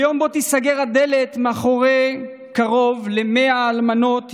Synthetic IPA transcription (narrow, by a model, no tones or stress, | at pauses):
jo̞mbot̪isaɡeʁad̪elet̪meaχoʁe | kaʁo̞vlemeaːlmano̞t̪